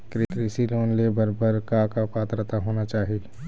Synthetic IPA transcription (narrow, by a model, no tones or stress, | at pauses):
kɾekɾisiloːnlebəɾbəɾkakapaːt̪ɾət̪aɦoːnat͡ʃaːɦɪl